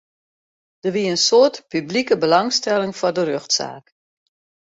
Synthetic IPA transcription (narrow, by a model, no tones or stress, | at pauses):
d̥əʋiəənsoərtpyblikəbəlɑŋstɛlˠɪŋfɔdəɾøxtsa̰ːk